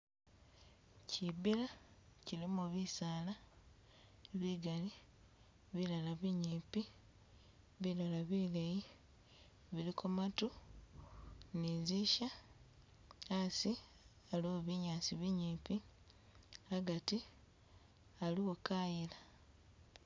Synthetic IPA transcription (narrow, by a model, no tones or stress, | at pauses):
cibilacilimuβisaːla | βiɡali | βilalaβiɲiːpi | βilalaβileji | βilikomatu | niziʃa | asi | aluoβiɲaːsiβiɲipi | aɡati | aliwokajila